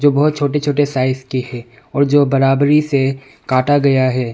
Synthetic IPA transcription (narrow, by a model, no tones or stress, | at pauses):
d͡ʒoːbɐɦt̪̚t͡ʃʰoːʈ̬et͡ʃʰoːʈesaːɪskihɛː | ɔːɾd͡ʒoːbɐɾaːbɾise | kaːʈaɡɐjaɦɛː